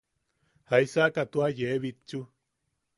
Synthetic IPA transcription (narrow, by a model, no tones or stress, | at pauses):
haisakat̪uajeβit͡ʃu